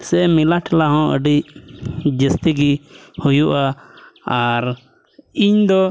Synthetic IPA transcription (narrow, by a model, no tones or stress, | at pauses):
sɛmilaʈʰlaɦɔ̃ʔə̰ɖi | d͡ʒəst̪iɡihujuʔaaɾ | iɲd̪ɔ